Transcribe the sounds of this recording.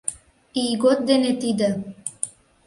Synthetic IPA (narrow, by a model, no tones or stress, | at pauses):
iːɡot̪̚d̪enet̪id̪ɘ